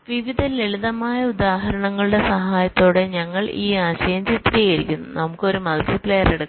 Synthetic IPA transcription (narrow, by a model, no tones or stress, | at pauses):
ʋiʋid̪ʱɐleɭuðɐmaːjɐud̪aːɦɐɾɐɳɐŋːɐɭuɽe̞sɐɦaːjɐt̪ːoːɽe̞ɲɐŋːɐɭiːaːɕɐjɐmd͡ʑit̪ːɾijɐɾikʲːunːunɐmukːɨo̞ɾumɐlsiplejɐreɽukː